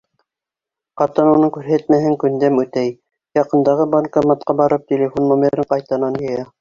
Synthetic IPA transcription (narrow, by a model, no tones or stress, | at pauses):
qɑt̪ɤnunɤŋkʉɾɦæt̪̚mæhɘŋkɵ̆nd̪æmʉt̪æj | jɑqɤ̆nd̪ɑʁɤbɑnkɑmɑt̪̚qɑbɑɾɤp̚t̪ʲelʲefonːomʲeɾɘɴqɑjt̪ɑnɑnjɤ̆jɑ